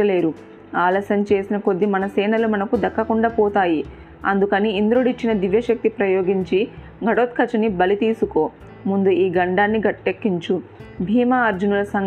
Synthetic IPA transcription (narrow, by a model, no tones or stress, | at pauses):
ɐle̞ːɾu | aːlɐːsɐmt͡ʃe̞ːsinɐko̞d̪ːimɐnɐsɛːnɐlumɐnɐkud̪ɐkːɐkuɳɖaːpɔːt̪aːji | ɐ̰nd̪ukɐniːnd̪ɾoːɽit͡ʃːinɐd̪iʋjɐʃɐk̚t̪ipɾɐjo̞ːɡiɲt͡ʃi | ɡʱɐɽoːt̪̚kʰɐt͡ʃːɐnibɐlit̪iːsuko̞ː | mund̪uiːɡɐɳɖaːnːiɡɐʈːe̞kːiɲt͡ʃubʱiːmɐːɾd͡ʒunulɐsɐŋ